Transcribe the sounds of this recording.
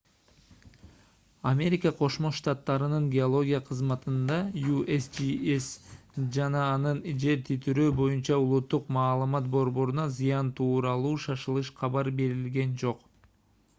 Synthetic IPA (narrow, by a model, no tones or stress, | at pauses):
ɐmʲe̞ɾʲɪkɑqʰo̞ʃmo̞ʃt̪ɑt̪ːɑɾɯnɯŋɡʲeolˠo̞ɡʲijaqʰɯzmɑt̪ɯnd̪ɑjuʔesd͡ʒiesd͡ʒɑnɑːnɯnd͡ʒe̞ɾt̪ʰit̪ʰyɾøːbo̞junt͡ʃɑulˠut̪ːuqmɑːlˠɯmɑt̪̚bo̞ɾbo̞ɾunɑzɨjɑnt̪ʰuːɾɑlˠuːʃɑʃɯlˠɯʃqʰɑβɑɾbe̞ɾilɡe̞nd͡ʒo̞q